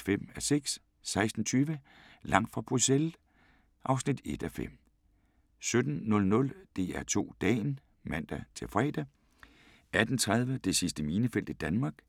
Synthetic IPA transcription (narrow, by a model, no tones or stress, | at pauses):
fem̰æseɡ̥s | sɑ̈ɪsd̥n̩t͡sʰyːʋə | lɑ̈ŋ̰d̥fʁɑ̈b̥ʁusel | ʔɑ̈ʊsnid̥e̝d̥æfḛm̰ | sød̥n̩ːɔ̽lnɔ̽ld̥e̝̰ːæɐt͡sʰo̝̰ːd̥ɛ̰ːn | mæn̰d̥æt͡sʰe̝lfʁɛ̰ːd̥æ | æd̥n̩t͡sʰʁað̞ˠʋəd̥e̝sisd̥əmiːnəfel̰d̥id̥ænmɑ̈ːɡ̥